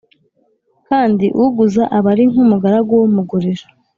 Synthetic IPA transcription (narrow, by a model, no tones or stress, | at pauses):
kaːndiʔuɡuzaʔaβaɾiŋ̥umuɡaɾaɡowomuɡuɾiɾa